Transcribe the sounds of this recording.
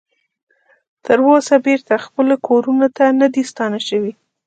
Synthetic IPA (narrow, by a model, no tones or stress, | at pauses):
t̪ʰəɾwosabeɾt̪axpəlokʰoɾunot̪anad̪ist̪ɑnaʃəwi